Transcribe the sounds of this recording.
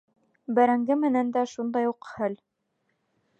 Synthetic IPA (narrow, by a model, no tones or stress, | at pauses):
bæɾæŋɡɘmɘ̆nænd̪æʃund̪ɑjuqhɘl